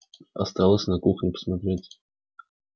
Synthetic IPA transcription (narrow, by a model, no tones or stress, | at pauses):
ɐ̰st̪ɑlˠəsʲnɐkuxnʲɪpə̥smɐt̪ɾʲetʲ